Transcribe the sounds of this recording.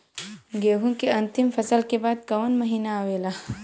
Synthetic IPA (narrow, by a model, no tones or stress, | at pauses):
ɡeːɦũkeɐ̃nt̪imfɐsəlkebaːd̪̚kɐwɐnmɐɦiːnaːweːla